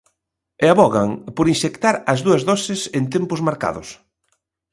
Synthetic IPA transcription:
eaβɔɣaŋpoɾinʃekt̪aɾɐzðuɐzðɔsɪsent̪empʊzmaɾka̰ðʊ̰s

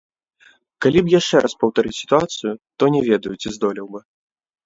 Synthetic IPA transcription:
kalʲibjaʂt͡ʂɛɾʔɐspɐwt̪aɾɨt͡sʲsʲi̥t̪uat̪sɨjut̪ɔnʲɛvʲɛd̪ɐjut͡sʲizd̪ɔlʲiwbɨ

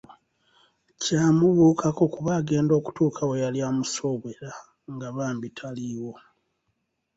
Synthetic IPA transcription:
caːmuβuːkʰako̞kuβaːɡe̞ːndo̞ːku̥tuːkʰawejaljaːmuso̞βweɾa | ŋɡaβaːmbitʰaliːwo̞

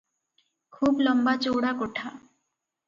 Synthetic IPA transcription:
kʰuːbləmbat͡ʃoːɽakoʈʰaː

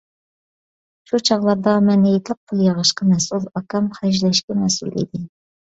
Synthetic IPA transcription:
ʃut͡ʃʰɑʁlˠɑɾd̪ɑmɛnjet̪ʰɪp̚qʰʊlˠjɑʁəʃqɑmɛsulˠɑkɑmχɛʒlɛʃkʲɛmɛsṵlˠḭd̪ɪ

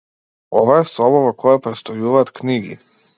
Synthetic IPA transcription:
ɔvaɛsɔbɔvakʰɔjapɾɛt̪st̪ɔjuvaːt̪kniɡḭ

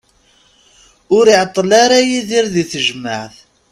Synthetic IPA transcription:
ʊɾiʕət̪ˤːlaɾajiðiɾðiθəʒmaʕθ

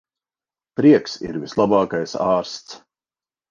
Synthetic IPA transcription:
pɾiɛksḭɾvislˠabɑːkajsɑːɾst̪s

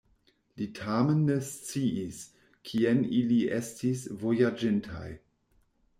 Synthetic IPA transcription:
litʰamenːest͡siis | kʰieniliʔestisvojad͡ʒintʰa̰j

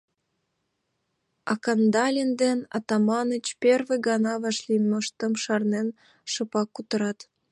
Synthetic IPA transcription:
ɑkɑnd̪ɑlʲind̪enɑ̰t̪ɑmɑnət͡ɕperβeɡɑnɑβɑʃlijməʃt̪ə̆mʃɑrnen | ʃɤ̆pɑkːut̪ə̆ɾɑt̪

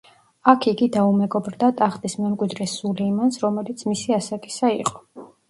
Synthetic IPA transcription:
akʰiɡid̪aumɛɡɔbɾd̪at̪ʼaχt̪ʼismɛmkʼwid̪ɾɛsulɛimansɾɔmɛlit̪sʰmisiasakʼi̥saḭqʼɔ̥

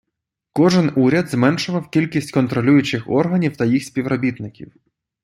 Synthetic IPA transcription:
kɔʒɪnuɾʲɐd̪zmɛnʃʊʋɐwkʲilʲkʲisʲtʲkɔnt̪ɾɔlʲujʊt͡ʃɪxɔ̰rɦɐnʲiwt̪ɐjixsʲpʲiwɾɔbʲit̪nɪkʲḭw

